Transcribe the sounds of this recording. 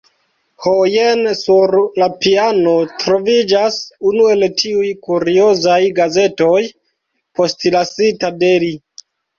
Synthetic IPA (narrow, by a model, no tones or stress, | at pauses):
hojensuɾlapiano̞tɾo̞vid͡ʒasunue̞ltiujkuɾiozajɡaze̞to̞j | po̞stilasitadeli